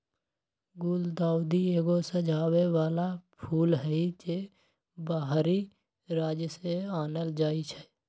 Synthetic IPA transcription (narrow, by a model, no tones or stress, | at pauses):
ɡuːld̪aːwd̪ieːɡosə̃d͡ʒʱaːweʋaːlapʰuːlɦɛit͡ʃe | baːɦɾi | ɾaːd͡ʒjəseaːnəld͡ʒaːit͡ʃʰɛ